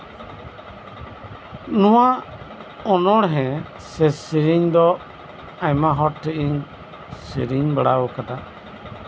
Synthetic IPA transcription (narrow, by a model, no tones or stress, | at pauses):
nɔwa | ɔnɔɽɦɛ̃ | sɛsiɾiɲd̪ɔ | ajmaɦɔʈɾɛʔiŋ | siɾiɲbəɽawɔkada